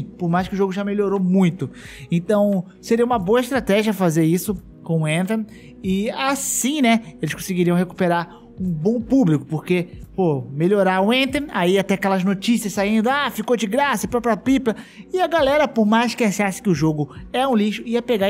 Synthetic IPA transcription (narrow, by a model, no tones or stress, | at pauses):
poɾmajskɪʊʒoɡʊʒameloɾowmũj̃t̪ʊẽt̪ɐ̃w̃ | seɾiɐũmɐboɐɪʃt̪ɾat̪ɛʒiɐfazeɾisʊ | kõʊẽnt̪ẽn | ɪasĩnɛelɪskõsɪɡiɾiɐ̃w̃heku̥peɾaɾ | ũbõpublikʊpoɾkepomeʎoɾaɾʊẽnt̪eaiat̪ɛakɛlɐznot͡ʃisiɐssaĩnd̪ʊafikowd͡ʒɪɡɾasɐpɾɔpɾiɐpiplɐɪɐɡalɛɾɐpoɾmazʃkɪasasɪ̥kɪʊʒoɡʊɛũliʃʊiɐpeɡa